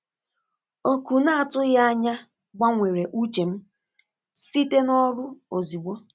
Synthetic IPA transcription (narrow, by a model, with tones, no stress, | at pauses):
o˦ku˨na˦a˨tʊ˦ɣa˦ɲa˦ | ɡ͡ba˦ŋʷe˨ɾe˨ʔu˦t͡ʃe˨m̩˦ | si˦te˦nɔ˦ɾu˦o˨zi˨ɡ͡bʷo˦